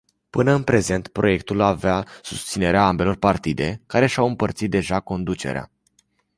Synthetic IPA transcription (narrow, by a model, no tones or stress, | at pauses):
pɨnəɨnpɾe̞ze̞nt̪pɾo̞̰je̞kt̪ulaveasu̥st̪sine̞ɾeaambe̞lo̞rpart̪id̪e̞kaɾe̞ʃawɨmpərt̪sit̪̚d̪e̞ʒako̞nd̪ut͡ʃe̞̰ɾea̰